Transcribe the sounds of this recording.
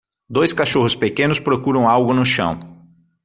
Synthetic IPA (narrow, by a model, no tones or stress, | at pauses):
d̪ojskaʃoɦʊspekẽnʊspɾokuɾɐ̃w̃awɡʊnʊʃɐ̰̃w̃